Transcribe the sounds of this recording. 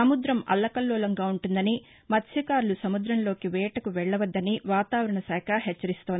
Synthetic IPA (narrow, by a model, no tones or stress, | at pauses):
ɐmud̪ɾɐmɐ̰lːɐkɐlːɔːlɐŋɡaːuɳʈund̪ɐni | mɐt̪ːʃikaːɾulusɐmud̪ɾɐmlo̞ːkiʋɛːʈɐkuʋɛɭːɐʋɐd̪ːɐniʋaːt̪aːʋɐɾɐɳɐsɛːkʰɐɦɛt͡ʃːɐɾist̪ond̪i